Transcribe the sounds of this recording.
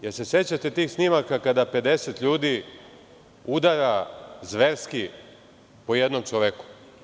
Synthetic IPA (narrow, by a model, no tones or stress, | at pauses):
jeɾse̞se̞t͡ɕat̪et̪iːxsnimakakad̪ape̞d̪e̞set̪ʎuːd̪i | ud̪aɾazʋeɾski | po̞je̞d̪no̞mt͡ʃoʋe̞ku̥